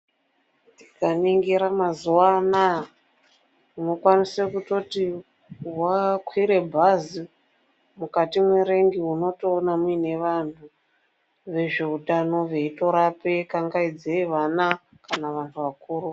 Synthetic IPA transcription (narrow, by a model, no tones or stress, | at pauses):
tikaniŋɡiɾamazuwana | uno̞kwanisekuto̞ti | wakwiɾe̞bʱazi | mukatimweɾe̞ŋɡiuno̞to̞ːnamwine̞ʋan̤u | ʋe̞ʐe̞utano̞ʋe̞ito̞ɾape̞kaŋɡaid͡zeiʋana | kanaʋantʰuʋakuːru